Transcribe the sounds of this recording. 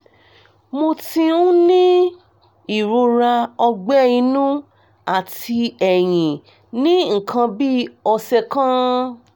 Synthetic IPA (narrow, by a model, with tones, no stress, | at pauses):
mo˧tĩ˧ũ˦nĩ˦ | i˦˨ɾo˧ɾa˧ɔ˧ɡ͡bɛ˦˨ĩ˧nũ˦ | a˨tʰi˧ɛ˨j̃ĩ˨ | nĩ˦ŋ̩˨kʰã˧bi˦ɔ˧sɛ˧kã˦